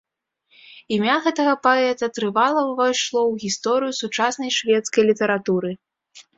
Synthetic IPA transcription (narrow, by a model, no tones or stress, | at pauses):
imʲaɣɛt̪ɐɣɐpaɛt̪ɐt̪ɾɨvalˠɐwvajʂlˠɔwɣʲist̪ɔɾɨjusut͡ʂasnɐjʂvʲɛt̪skɐjlʲit̪ɐɾat̪uɾɨ